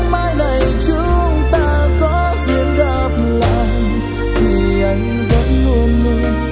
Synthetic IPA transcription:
maː˧jna˨˩jt͡ɕu˧˦˧ | ŋ͡mt̪aː˧kɔ˨˦ | zi˧˨ənɣa˧˩p̚la̰ː˧˨j | tʰi˨˩ | ʔa˨˦jŋ̟və˨˦nŋo˧nmu˧˦

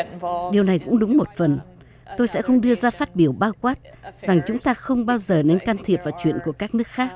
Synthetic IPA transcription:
ɗi˨˩əwna˨˩jkʊ̰˧˥ŋ͡mɗʊ˨˦ŋ͡mmo˨˩t̚fə˨˩n | t̪o˧jsɛ̰˧˥xə˧wŋ͡mɗɨ˧əzaː˧faː˦˥t̚ɓi˧˩əwɓaː˧wkwaː˦˥t̚ | z̥a˨˩ŋt͡ɕʊ˨˦ŋ͡mt̪aː˧xə˧wŋ͡mɓaː˧wzəː˨˩ne˧nkaː˧mt̪ʰi˨˩əp̚vaː˨˩t͡ɕwḭ˧˨ənku˧˩əkaː˦˥k̚nɨ˦˥ək̚xaː˦˥k̚

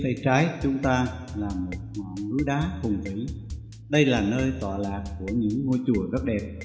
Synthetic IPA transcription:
t̪ʰə˨˩jt͡ɕaː˨˦jt͡ɕʊ˨˦ŋ͡mt̪aː˧laː˨˩mo˨˩t̚mɔ˨˦nlu˨˦jɗaː˨˦xʊ˨˩ŋ͡mzi˨˦ | ɗə˧jlaː˨˩nəː˧jt̪waː˨˩laː˨˩k̚ku˧˩əɲɨ̰˧˥ŋːo˧jt͡ɕu˧˩əzə˦˥t̚ɗɛ˨˩p̚

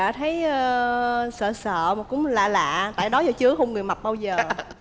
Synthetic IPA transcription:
a̰ː˧˥t̪ʰə˨˦jə˧sə̰ː˧˨sə̰ː˧˨maː˨˩kʊ̰˧˥ŋ͡mm˨˩la̰ː˧˨la̰ː˧˨t̪a̰ː˧˨jɗɔ˨˦zɔ˧˩t͡ɕɨ˨˦əxə˧wŋ͡mŋɨ˨˩əjma˨˩t̚ɓaː˧wzəː˨˩

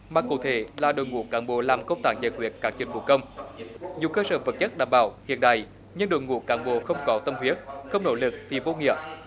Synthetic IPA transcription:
maː˨˩kṵ˧˥t̪ʰe˧˩˦laː˨˩ɗo̰˧˨jŋṵ˧˦əkaː˨˦nɓo˧˩laː˨˩mkə˧ŋ͡mt̪aː˧˩ŋza˨˩kwi˨˩˥ət̚kaː˦˥k̚t͡ɕï˨˧˩ŋ̟vṵ˧˩kə˧wŋ͡mɲi˨əkəː˧səː˨˦və˨˩t̚t͡ɕə˦˥t̚ɗaː˧˩mɓaː˧˩˦whi˧˨ənɗa̰ː˧˨˩j | ɲɨ˧nɗo̰˧˨jŋṵ˧˦əkaː˨˦nɓo̰˧˩xə˧wŋ͡mkɔ˨˦t̪ə˧mhwi˨˦˥ət̚xə˧wŋ͡mno̰˧˥lɨ˨˩k̚t̪ʰi˨˩vo˧ŋḭ˧˨ə

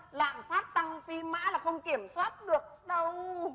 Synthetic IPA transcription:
la̰ː˧˨nfaː˦˥t̚t̪a˧ŋfi˧ma̰ː˧˥laː˨˩xə˧wŋ͡mki˧˩əmswaː˦˥t̚ɗɨ˨˩ək̚ɗə˧w

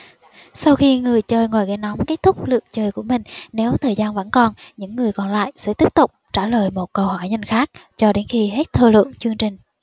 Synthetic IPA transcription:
sa˧wxi˧ŋɨ˨˩əjt͡ɕəː˧jŋwaː˨˩jɣa˧˩na˨˦wŋ͡mke˦˥t̚t̪ʰʊ˦˥k͡p̚lɨ̰˧˨əŋt͡ɕəː˧jku˧˩əmï˨˩ŋ̟ne˨˦wt̪ʰəː˨˩jzaː˧nvə̰˧˥nkɔ˨˩nɲɨ̰˧˥ŋːɨ˨˩əjkɔ˨˩nla̰ː˧˨jsɛ̰˧˥t̪i˦˥əp̚t̪ʊ˨˩k͡p̚t͡ɕaː˧˩ləː˨˩jmo˨˩t̚kə˧whɔ˧˩jɲa˧jŋ̟xaː˦˥k̚t͡ɕɔ˧ɗe˨˦nxi˧ɦe˦˥t̚t̪ʰəː˧lwə̰˧˨əŋt͡ɕɨ˧əŋt͡ɕï˨˩ŋ̟

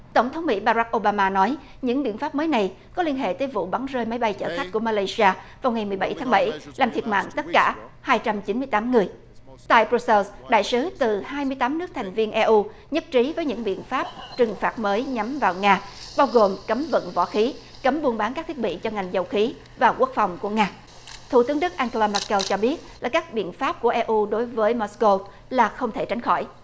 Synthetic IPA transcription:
t̪ə˧˩wŋ͡mt̪ʰə˨˦wŋ͡mmḭ˧˥ɓaː˧za˦˥k̚ʔo˧ɓaː˧maː˧nɔ˨˦j | ɲɨ̰˧˥ŋɓḭ˧˨ənfaː˦˥p̚məː˨˦jna˨˩j | kɔ˨˦li˧ənɦḛ˧˨t̪əː˨˦jvṵ˧˨ɓa˨˦ŋzəː˧jmə˨˦jɓa˧jt͡ɕə̰ː˧˩xa˦˥k̚ku˧˩əmaː˧laː˧jsi˧aː˧vaː˨˩wŋa˨˩jmɨ˨˩əjɓa˧˩jt̪ʰːŋɓə˧˩jlaː˨˩mt̪ʰi˨˩ət̚ma̰ː˧˨ŋt̪ə˦˥t̚kaː˧˩haː˧jt͡ɕa˧mt͡ɕi˨˦nmɨ˧əjt̪aː˨˦mŋɨ˨˩əj | t̪a̰ː˧˨jpɾu˧sɛ˧lsɗa̰ː˧˨jsɨ˨˦t̪ɨ˨˩haː˧jmɨ˧əjt̪aː˨˦mnɨ˦˥ək̚t̪ʰa˨˩jŋ̟vi˧ənʔɛ˧ʔu˧ | ɲə˦˥t̚t͡ɕi˨˦vəː˨˦jɲɨ̰˧˥ŋɓḭ˧˨ənfaː˦˥p̚t͡ɕɨ˨˩ŋfaː˨˥˩t̚məː˨˦jɲa˨˦mvaː˨˩wŋaː˧ɓaː˧wɣo˨˩mkə˨˦mvə̰˧˨nvɔ̰˧˥˩xi˨˦ | kə˨˦mɓu˧ənɓaː˨˦nkaː˦˥k̚t̪ʰk̚ɓḭ˧˨t͡ɕɔ˧ŋa˨˩jŋ̟zə˨˩wxi˨˦ | vaː˨˩wku˦˥ək̚fa˨˩wŋ͡mku˧˩əŋaː˧ | t̪ʰṵ˧˩t̪ɨ˨˦ŋɗɨ˦˥k̚ʔaː˧ŋko˧laː˧ma˧˥kːɛ˧wt͡ɕɔ˧ɓi˦˥ət̚laː˨˩kaː˦˥k̚ɓḭ˧˨ənfaː˦˥p̚ku˧˩əʔɛ˧ʔu˧ɗo˨˦jvəː˨˦jmo˧˥sko˧ | laː˨˩xə˧wŋ͡mt̪ʰe˧˩t͡ɕa˨˦jŋ̟xɔ˧˩j

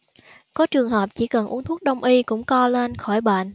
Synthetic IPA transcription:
kɔ˨˦t͡ɕɨ˨˩əŋɦəː˨˩p̚t͡ɕi˧˩kə˨˩nʔu˨˦ənt̪ʰu˦˥k̚ɗə˧wŋ͡mʔi˧kʊ̰˧˥ŋ͡mkɔ˧le˧nxɔ˧˩jɓa̰ː˧˨n

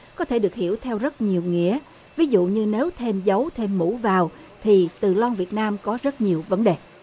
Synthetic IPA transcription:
kɔ˨˦t̪ʰe˧˩ɗɨ˨˩ək̚hḭ˧˩əwt̪ʰɛ˧wzə˦˥t̚ɲi˨˩əwŋḭ˧˥ə | vi˨˦zṵ˧˨ɲɨ˧ne˨˦wt̪ʰe˧mzə˨˦wt̪ʰe˧mːṵ˧˥vaː˨˩w | t̪ʰi˨˩t̪ɨ˨˩lɔ˧nvi˨˩ət̚naː˧mkɔ˨˦zə˦˥t̚ɲi˨˩əwvə˨˦nɗe˨˩

